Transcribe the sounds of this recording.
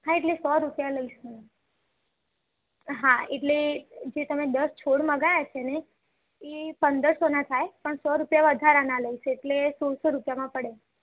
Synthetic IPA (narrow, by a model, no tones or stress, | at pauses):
ɦãeʈlesɔɾupjaləisũ | ɦaeʈled͡ʒet̪əmed̪əst͡ʃʰoɽməɡajat͡ʃʰene | epənd̪əɾsonat̪ʰajpəɳsɔɾupjaʋəd̪ʱaɾanaləiʃeeʈlesɔɽsoɾupjamãpəɽe